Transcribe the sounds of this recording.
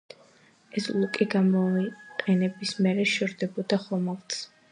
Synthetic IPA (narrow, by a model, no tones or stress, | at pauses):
ɛslˠukʼiɡamɔiqʼɛnɛbismɛɾɛʃɛɾd̪ɛbɔd̪aχɔmalt̪s